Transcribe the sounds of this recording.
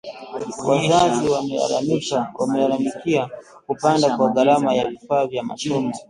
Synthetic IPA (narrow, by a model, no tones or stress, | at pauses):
wʔazaziw̰aiwamɛlalamikia | kupandakwaɡaɾamajavifaːvjama̰sɔmɔ